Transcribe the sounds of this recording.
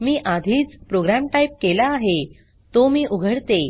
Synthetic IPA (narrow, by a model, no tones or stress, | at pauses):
miːʔad̪ʱiːt͡spɾoɡɾamʈaip̚kelaːɦe | t̪omiːʔuɡʱəɽt̪e